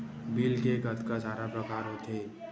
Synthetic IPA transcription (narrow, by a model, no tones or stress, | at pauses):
bilkeɡət̪kad͡ʒaːɾapɾəkaːɾɦot̪ʰeː